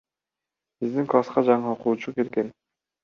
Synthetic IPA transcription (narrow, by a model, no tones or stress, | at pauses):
bizd̪iŋklˠasqɑd͡ʒɑɴɯoqulˠut͡ʃuke̞lɡen